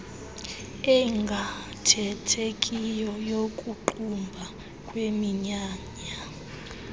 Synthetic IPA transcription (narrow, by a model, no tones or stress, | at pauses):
ɛŋɡʱa | tʰɛtʰekʼijɔjokʼuǃumbʱa | kʼwemiɲaːɲa